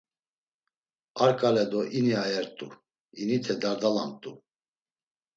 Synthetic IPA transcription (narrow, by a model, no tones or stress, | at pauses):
aɾkʼalɛd̪ɔʔiniajɛɾt̪ʼṵ | init̪ʰɛd̪aɾd̪ala̰mt̪ʼu